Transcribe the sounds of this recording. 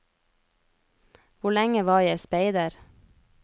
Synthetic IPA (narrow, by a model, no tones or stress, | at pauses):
ʋʊɭɛŋəʋɑːjæɪspeɪd̪əɾ